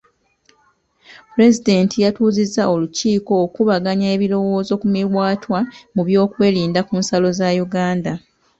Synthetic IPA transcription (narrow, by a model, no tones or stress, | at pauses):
puɾe̞zide̞ntʰijatuːzizːao̞luciːko̞ːkuβaɡaɲaeβilo̞wo̞ːzo̞kumiɾwaːtwamuβjo̞ːkwe̞ːliːndakuːnsalo̞zajuɡaːnda